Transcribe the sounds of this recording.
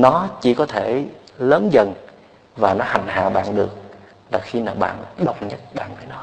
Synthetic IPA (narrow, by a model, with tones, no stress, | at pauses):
nɔ˨˦t͡ɕḭ˧˩˦kɔ˨˦t̪ʰe˧˩ləː˨˦nzə˨˩n | vaː˨˩nɔ˨˦ha˨˩ŋ̟ha̰ː˧˨ɓa̰ː˧˨nɗɨ˨˩ək̚ | laː˨˩xi˧maː˨˩ɓa̰ː˧˨nɗə˨˧˩wŋ͡mɲə˦˥t̚ɓa̰ː˧˨nvəː˨˦jnɔ˨˦